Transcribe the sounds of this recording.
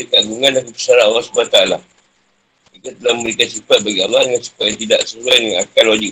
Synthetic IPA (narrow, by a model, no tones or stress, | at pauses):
dəkaʔ̚ɡuŋãnakəpə̥saɾaalːɑhsubənat̪aala | ikat̪əlahməməɾikansifat̪̚baɡialaŋansu̥pajat̪ida̰ʔsəsuanjaŋakanwad͡ʒi